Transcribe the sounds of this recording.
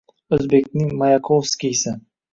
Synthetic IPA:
ɵzbekʲnɪŋmajakʰovskʲijsɪ

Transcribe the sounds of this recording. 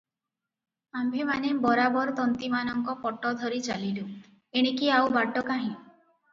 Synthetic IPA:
ambʱemanebɔɾabɔɾt̪ɔnt̪imanɔŋkɔpɔʈːɔd̪ʱɔɾit͡ʃalilu | eɽ̃ikiawbaʈːɔkaɦĩ

